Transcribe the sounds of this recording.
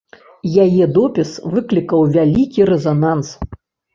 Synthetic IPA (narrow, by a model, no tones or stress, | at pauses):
jajɛd̪ɔpʲisvɨklʲikɐwvʲalʲikʲiɾɛzanans